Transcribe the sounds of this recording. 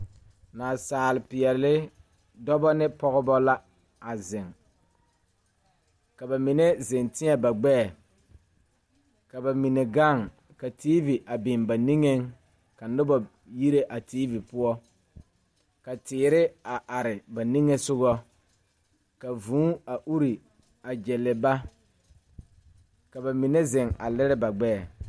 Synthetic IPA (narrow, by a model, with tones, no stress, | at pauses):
naː˨saː˨lɪ˨pɪ˨ɛ˨lɪ˦ | dɔ˦bɔ˦nɪ˦pɔ˦ɣɔ˦bɔ˦la˦ | a˨zɪ˨ŋ | ka˨ba˨mɪ˨ne˦zɪ˨ntɪ˦ɛ˨ba˨ɡ͡bɛ˦˨ | ka˨ba˨mi˨ne˨ɡa˦˨ŋ | ka˨tiː˦vi˨ʔa˨bɪ˨nba˨ni˦ŋe˦ŋ | ka˨nʊ˦ba˨ | ji˦ɾe˦ʔa˨tiː˦vi˨pʊ˦ɔ˦ | ka˨tɪː˨ɾɪ˦a˨ʔa˨ɾɪ˨ba˨ni˦ŋɛ˦sʊ˦ɣɔ˦ | ka˨vũː˨˦a˨ʔu˦ɾi˨ | a˨d͡ʒɛ˨lɪ˨ba˦ | ka˨ba˨mɪ˨nɛ˦zɛ˨ŋa̰˨lɛ˦ɾɛ˦ba˨ɡ͡bɛ˦˨